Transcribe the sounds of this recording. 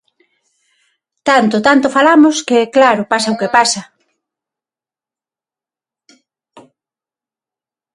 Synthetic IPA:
t̪ant̪ʊt̪ant̪ʊfalamoskeɛklaɾʊpasaokepasɐ

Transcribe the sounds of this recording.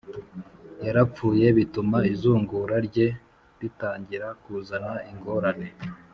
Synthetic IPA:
jaɾap͡fuːje̞βitumaizuːŋɡuːɾaɾɟe̞ | ɾitaːɲɟiɾakuzanaiŋɡo̞ɾane̞

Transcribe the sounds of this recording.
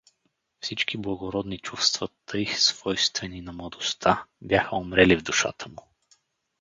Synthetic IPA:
fsit͡ʃkiblˠɐɡoɾɔd̪nit͡ʃufst̪vət̪ʰɤjsv̥ɔjst̪vɛninɐmlˠɐd̪ost̪ʰabʲjaxəomɾɛlivd̪ʊʃa̰t̪ʰəmʊ

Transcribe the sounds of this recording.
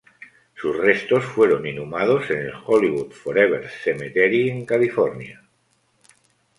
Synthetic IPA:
susre̞st̪o̞sfwe̞ɾoninumað̞o̞senelxoliβut̪foɾeβ̞eɾsemet̪eɾieŋkalifoɾnja

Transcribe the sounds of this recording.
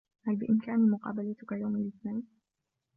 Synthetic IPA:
halbɪʔɪmkaːnimʊqɑ̰ːbalat̪ʊkajawmalʔɪθnajn

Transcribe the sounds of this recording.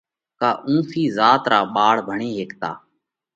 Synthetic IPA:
kaːʔũːfʰiːzaːt̪ɾaːɓaːɽbʱəɳeːɦeːkt̪a̰ː

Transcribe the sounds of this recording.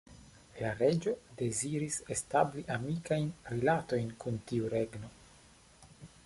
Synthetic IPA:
laɾe̞d͡ʒo̞de̞ziɾise̞stabliʔamikajnɾilato̞jnkuntiuɾe̞ɡno̞

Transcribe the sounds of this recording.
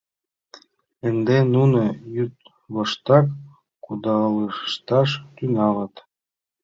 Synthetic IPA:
ɘ̆nd̪enunŏjyt̪̚ | βɤ̆ʃt̪ɑk | kud̪ɑlɯʃt̪ɑʃt̪ynɑlɤ̆t̪

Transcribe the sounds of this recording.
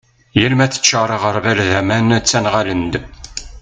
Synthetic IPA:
jælmæθə̥t͡ʃːəɾˤəʁəɾˤvæɾðæmænt͡sːænʁalənd̪

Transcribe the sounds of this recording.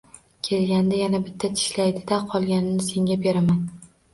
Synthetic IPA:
kʲʰe̞lɡʲand̪ajanabɪt̪ʰːat̪ʰɪ̥ʃlajd̪ɪd̪aqʰɒlˠɡʲanɪnɪse̞ŋʲabe̞ɾaman

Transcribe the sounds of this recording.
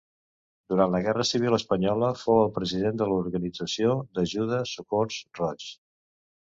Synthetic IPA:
d̪uɾant̪ləɣɛrəsiβ̞iləspəɲɔləfowəlˠpɾəziðend̪əluɾɣənid͡zəsiod̪əʒuð̞əsukorsrɔt͡ʃ

